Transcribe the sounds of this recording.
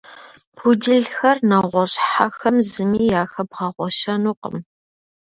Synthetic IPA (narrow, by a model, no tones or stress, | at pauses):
pʰudɨɮxɐrnɐʁʷɔɕʼħaxɐmzɨmiːjaːxɐb̚ʁɐʁʷɔʃɐnuːqə̰m